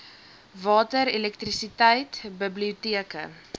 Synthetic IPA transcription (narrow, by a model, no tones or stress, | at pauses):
vɑːtəɾilɛk̚trisitəjtbəbliutiəkə̰